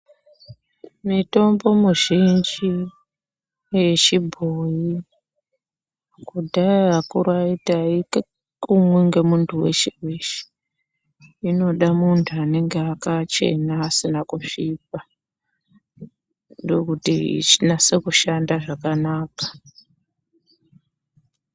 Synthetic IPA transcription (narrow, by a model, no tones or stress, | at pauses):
mito̞mbo̞muʒind͡ʒi | je̞t͡ʃibʱoji | kudʱaakuɾaitaik | kumweŋɡe̞muntʰuwe̞̰t͡ʃeweʃe̥ | ino̞ɗamuntʰuane̞ŋɡeakat͡ʃe̞̰naːsinakuʂiːp̚a | ndo̞kutḭt͡ʃinase̞kuʃandaʐakanaːkḁ